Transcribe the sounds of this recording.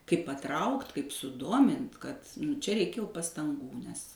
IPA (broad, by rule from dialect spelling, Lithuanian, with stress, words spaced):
kɐɪp pɐˈtrɐʊktʲ kɐɪp sʊˈdoːmʲɪnʲtʲ kɐt ˈt͡ʃʲɛ ˈrʲɛɪkʲɛ jɛʊ pɐstɐŋˈɡuː nʲɛs